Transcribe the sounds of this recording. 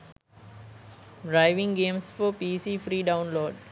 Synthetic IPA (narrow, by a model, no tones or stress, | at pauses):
ɖɾaɪʋɪ̃ŋɡẽːmsfɔpiːsiːfɾiːɖãʊ̃nloːɖ